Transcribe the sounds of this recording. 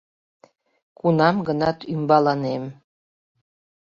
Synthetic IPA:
kunɑmɡənɑt̪ymbɑlɑnem

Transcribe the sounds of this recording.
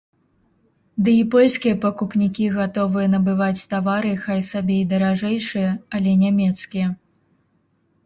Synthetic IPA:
d̪ɨipɔlʲsʲkʲijɐpɐkupnʲikʲiɣat̪ɔvɨjɐnɐbɨvat͡sʲt̪avaɾɨxajsabʲɛjd̪ɐɾaʐɛjʂɨjɐɐlʲɛnʲamʲɛt̪skʲijɐ

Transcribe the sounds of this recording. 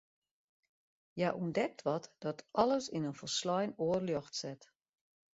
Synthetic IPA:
jaʔundɛk̚tʰʋɔtd̥ɔtʰɔləsinənfərslɔjnoːərljɔxtsɛt

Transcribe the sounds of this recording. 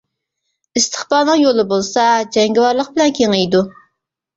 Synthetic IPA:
ist̪ʰə̥χbɑːnɨŋjolˠɨbolˠsɑd͡ʒɛŋɡʲɪwɑɾlˠəq̚bɪlɛnkʲʰeŋejd̪u

